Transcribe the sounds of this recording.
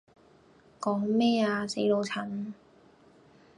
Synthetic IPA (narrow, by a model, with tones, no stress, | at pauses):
kɔː˨˥ŋmɛː˥aː˧se˨˥jlo˨˧wt͡sʰɐ˨˩˥n